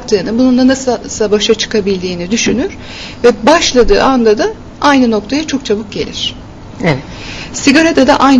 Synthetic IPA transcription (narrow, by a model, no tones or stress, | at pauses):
k̚t̪ʰɯːnɯbunund̪anassabaʃat͡ʃʰɯ̥kʰabilʲd̪iːnid̪yʃynyɾ̥ | vɛbaʃlˠad̪ɯ̰ːand̪ad̪a | ajnɯno̞kt̪ʰajat͡ʃʰo̞kt͡ʃʰabɯk̚ɟe̞̰lʲḭɾ̥ | ɛɛ | siɡaɾad̪ad̪a̰ʔajn